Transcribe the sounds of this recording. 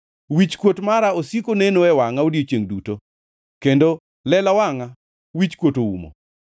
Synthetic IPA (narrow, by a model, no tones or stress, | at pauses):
wit͡ʃkwotmaɾaosikonenoɛwaŋaodiot͡ʃjeŋduto | kendo | lɛlawaŋa | wit͡ʃkwotoṵmo̰